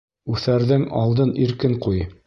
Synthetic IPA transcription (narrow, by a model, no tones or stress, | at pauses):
ʉθæɾðɘŋɑlˠd̪ɤniɾkɘŋquj